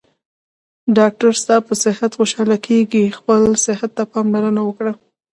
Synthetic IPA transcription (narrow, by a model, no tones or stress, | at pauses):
ɖɑk̚ʈaɾst̪ɑpəsɪhat̪xoʃɑlakʰeɡixpəlsɪhat̪ːapɑmlaɾənawəkɽa